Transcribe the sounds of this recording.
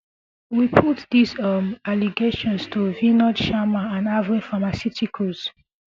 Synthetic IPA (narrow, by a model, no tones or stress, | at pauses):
wipʰutdizʌmaliɡeʃɔ̃nstʰuvinɔdʃamaãnavɹĩfamasjitikʰoz̥